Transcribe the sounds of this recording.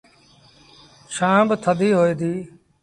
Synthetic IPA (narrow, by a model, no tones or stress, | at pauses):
ʃãːbt̪ʰəd̪ʱiːɦoːiːd̪iː